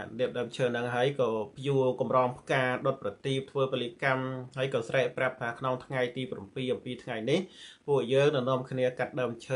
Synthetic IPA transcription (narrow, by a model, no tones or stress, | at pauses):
aɗiəp̚ɗəːmt͡ɕʰəːnɨŋɦaəjkɑːpʰjuəkɑmrɑːŋpʰkaːɗot̪̚prɑt̪iːp̚t̪ʰʋəːpəlikamɦaəjkɑːsrɛːʔprap̚t̪ʰaːkʰnoŋt̪ʰŋajt̪iːprampiːʔɑmpiːt̪ʰŋajnihpŭəhjəːŋnɨwnŏəmkʰniəkat̪̚ɗəmt͡ɕʰəː